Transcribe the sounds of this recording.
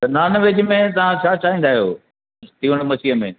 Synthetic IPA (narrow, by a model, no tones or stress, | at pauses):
t̪ɐnaːnəʋeːd͡ʑmẽt̪ɐʋ̤ãt͡ɕʰaːt͡ɕaːɦĩːn̆d̪aːɦijo̰ː | t̪ʰiʊɽ̃mɐsiɦəmẽː